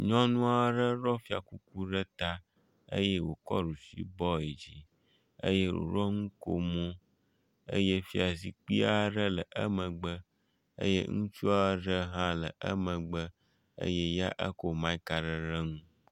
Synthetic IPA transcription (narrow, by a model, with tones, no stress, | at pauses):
ɲɔ̃˦nũ˦a˦ɖə˦ɾɔ˦fi˦a̰˨ku˦ku˦ɖə˦t̪a˦ | ə̰˦je˦wo˨kɔ̰˦ɖu˨sḭ˦bɔ˦e˨d͡ʑi˨ | ə̰˦je˦wo̰˨ɾɔ˦ŋũ˦ko˦mõ˦ | ə̰˦je˦fi˦a˨zi˨k͡pi˦a˦ɖə˦lə˨ʔə˦mə̃˨ɡ͡bə˦ | ə̰˦jḛ˦ŋũ˦t͡ʃu˦a˦ɖə˦ɦã˦lə˨ʔə̰˦mə̃˨ɡ͡bə˦ | ə̰˦je˦ja˦ʔə˦ko˦mã˦i˦ka˨ɖə˨ɾə˦ŋũ˦